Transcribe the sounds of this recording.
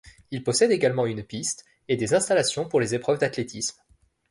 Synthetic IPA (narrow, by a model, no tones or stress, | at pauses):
ilpɔsɛd̪eɡalmɑ̃ynpist̪ | ed̪ezɛ̃st̪alasjɔ̃puʁlezepχœvd̪at̪let̪ʰism